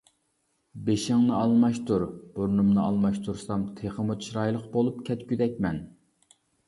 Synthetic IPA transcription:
beʃɪŋnɨɑlˠmɑʃt̪ʰuɾb̥oɾnumnɨɑlˠmɑʃt̪ʰuɾsɑmt̪ʰeχəmut̪ʰʃɾɑjlˠəqbolˠup̚kʲʰɛt̪kʲyd̪ɛkʲmɛn

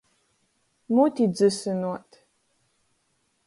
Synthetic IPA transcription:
mutʰid͡zɨsɨnuɔtʰ

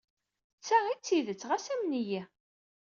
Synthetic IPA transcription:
t͡sːæʁit͡sːiðət͡sːʁæsæmniji

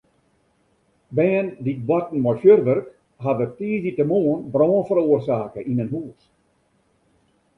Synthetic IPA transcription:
bɛːəndit̚bɔtn̩mɔrfjørʋərk | ɦadətiːzditəmoənbroːənfəɾuərsaːkəʔinənɦuːs

